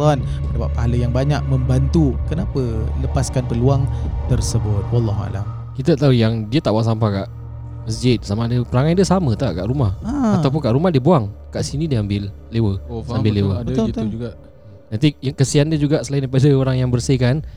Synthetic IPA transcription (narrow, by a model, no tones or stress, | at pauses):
ɔn | ədapaʔ̚paɦaləjaŋbaɲak̚məmbant̪ukənapələpaskanpəluaŋt̪ərsəbʊt̪̚wɑlːɑɦua̰la̰m | kit̪at̪aujaŋdiət̪aʔbaaʔsampakaʔ | məsd͡ʒɪt̪̚samadəpəɾaŋãndiəsamət̪aʔkaʔɾumahaat̪awp̬ʊnkaʔɾumahdiəbuaŋkaʔsinidiəambɪlːewəambɪlːewət̪ud͡ʒuɡaʔ | nant̪ijakəsiandiəd͡ʒuɡaʔsəlaindajpadəoɾaŋjaŋbərsikan